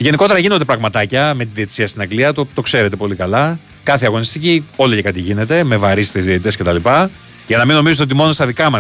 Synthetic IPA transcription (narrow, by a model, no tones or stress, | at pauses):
ʝe̞niko̞t̪e̞ɾɐʝino̞nd̪epɾɐɣmɐt̪ɐcɐme̞t̪iðie̞t̪i̥siɐst̪inɐɡliɐt̪ot̪o̞kse̞ɾe̞t̪e̞po̞likɐlɐ | kɐθeɐɣo̞nist̪icio̞licekɐt̪iʝine̞t̪e̞me̞vɐɾist̪ezðiet̪it̪esce̞t̪ɐlipɐ | ʝɐnɐmino̞mizet̪o̞t̪imo̞nost̪ɐðikɐmɐ